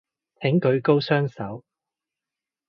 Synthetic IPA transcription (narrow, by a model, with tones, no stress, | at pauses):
t̪ʰɪ˨˥ŋkɵ˨˧ɥko˥wsœː˥ŋsɐ˨˥w